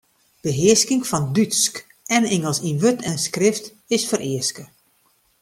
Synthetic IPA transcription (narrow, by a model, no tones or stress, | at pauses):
b̥əɦɪəskɪŋfɔndytsk | ɛnɪŋəlˠsinʋøtʰɛnskrɪft | ɪsfəɾʔɪəskə